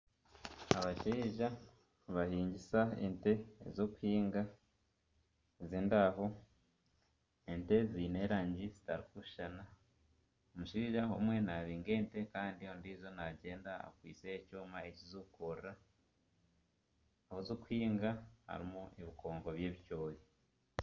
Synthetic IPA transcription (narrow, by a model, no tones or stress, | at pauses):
aβaʃiːʒa | βahiːɲɟisaḛnte̞̰zoku̥hiːŋɡa | ziːndaɦo̞ | ente̞ziːneːɾaːɲɟizitaɾikuʃʃana | omuʃiʒahomwe̞naβiːŋɡe̞ːnte̞kaːndiondizo̞naɟe̞ːnda̰ːkwḭːt͡secuːmaecizukoɾa | hozoku̥hiːŋɡaha̰ɾimueβikʰo̞ːŋɡo̞βje̞ːβicoːje